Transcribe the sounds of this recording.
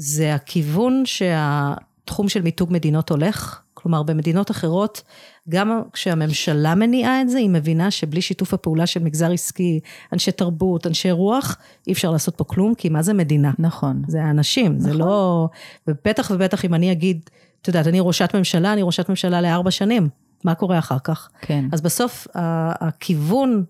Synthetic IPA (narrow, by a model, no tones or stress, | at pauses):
zeakʰivunʃe̞atχumʃe̞lmituɡme̞dino̞to̞le̞χklo̞maʁbeme̞dino̞taχe̞ʁo̞tɡamkʃeame̞mʃalame̞niʔaetzeime̞vinaʃe̞bliʃitufhapeulaʃe̞lmiɡzaʁiskianʃe̞jtaʁbutanʃe̞ʁuaχ | ʔieɛfʃaʁlaːso̞t̚po̞klumkʰimazeme̞dinanaχonzeaːnaʃimzelovebe̞taχvebe̞taχimaniaɡid | t̪ojd̪at̪aniʁo̞ʃatme̞mʃalaːniʁo̞ʃatme̞mʃalaleaʁbaʃanimː | ako̞ʁeaχaʁkaχkʰeazbasofaːkʰivun